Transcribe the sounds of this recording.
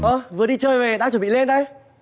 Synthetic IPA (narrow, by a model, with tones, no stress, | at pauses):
ʔəː˧˩vɨ˨˩əɗi˧t͡ɕəː˧jve˨˩ɗaː˧t͡ɕə˧˩˨ɓḭ˧˨le˧nɗə˧j